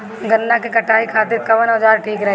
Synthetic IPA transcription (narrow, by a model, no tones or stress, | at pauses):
ɡɐnːakekɐʈʰaːikʰaːt̪ɪɾkɐʋənɦəd͡ʒaːɾʈʰiːkɾɐɦe